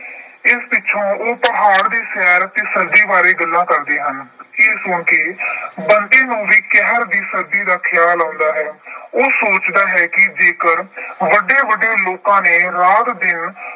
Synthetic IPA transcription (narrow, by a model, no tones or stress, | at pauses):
ɪspɪːʃʰõːoːpəɦaːɽd̪iːsɛːɾt̪eːsəɾd͡ʒ̪iːbaːɾeːɡəlːãːkəɾd̪eːɦəneːsʊɳkeːbənd̪eːnũːʋiːkɛɦəɾd̪iːsəɾd͡ʒ̪iːd̪aːkʰɪjaːlãːnd̪aːɦɛːoːsoːt͡ʃd̪aːɦɛːkɪd͡ʒeːkəɾʋəɖeːʋəɖːeːloːkãːneːɾaːt̪d̪ɪn